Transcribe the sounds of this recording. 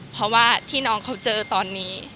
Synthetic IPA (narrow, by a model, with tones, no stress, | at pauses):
pʰɾɔ˧˥waː˥˩t̪ʰiː˥˩nɔː˧˥ŋkʰa˦˥wt͡ɕɤː˧t̪ɔː˧nːiː˦˥